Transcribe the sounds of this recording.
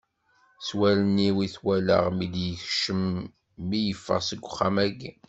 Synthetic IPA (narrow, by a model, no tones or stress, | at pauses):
swæləniwiθwælə̰ʁmid̪jəçʃəmː | ijəfːə̰ʁsəɡʷːʊχːamæɡi